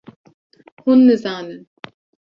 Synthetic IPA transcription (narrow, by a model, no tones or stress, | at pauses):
hunːɨzaːnɨn